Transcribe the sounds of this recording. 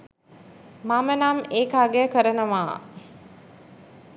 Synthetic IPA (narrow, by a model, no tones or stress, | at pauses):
mamənameːkaːɡejəkəɾənəʋaː